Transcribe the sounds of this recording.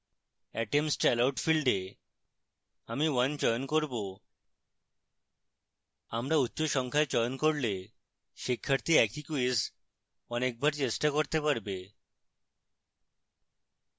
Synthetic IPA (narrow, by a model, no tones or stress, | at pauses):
ɛʈemsʈɛlawʈfilɖe | amiʋənt͡ɕəjnkɔɾbo | amɾautːɕoɕɔŋkʰajt͡ɕəjnkɔɽle | ɕikʰːəɾt̪iɛkʰikuis | ɔnek̚bʱaɾt͡ɕesʈakɔɾt̪epaɾbe